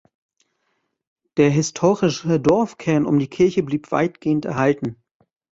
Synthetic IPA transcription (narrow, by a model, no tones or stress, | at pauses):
d̥eːɐɦɪstʰoːʁɪʃədɔɐfkʰɛɐnʊ̰mdiːkʰɪɐçəbliːpv̥a̰ɪtɡ̥eːəntɛ̰ɐhaltn̩